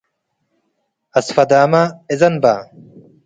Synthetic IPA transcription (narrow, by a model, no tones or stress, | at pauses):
ɐsfɐd̪aːmaezɐnbaː